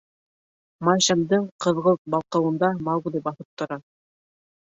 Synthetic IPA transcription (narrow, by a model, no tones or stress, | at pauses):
mɑjʃɑmd̪ɤɴqɤ̆ðʁɤlˠt̪̚bɑlˠqɑ̆wɤ̆nd̪ɑmɑwɡlʲibɑθɤp̚t̪ŏɾɑ